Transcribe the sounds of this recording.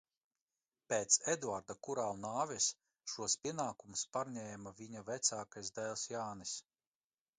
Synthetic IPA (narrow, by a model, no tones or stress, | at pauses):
peːt̪sed̪uaɾd̪akuɾalnaːvʲɛs | ʃuɔspʲiɛnaːkumuspaɾɲʲɛːmavʲiɲavɛt̪saːkajzd̪æːlˠsjaːnis